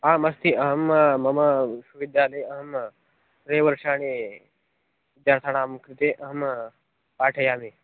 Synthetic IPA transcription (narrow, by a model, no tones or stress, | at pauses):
ãːmɐst̪ʰiɐɦɐmmɐmɐsuʋid̪jaːlɐjɐɦɐm | ɾeːʋɐɾʂaːñi | d̪aːɾt̪ʰaɳ̃aːmukɾɪt̪eːʔɐɦm | paːʈʰɐjaːme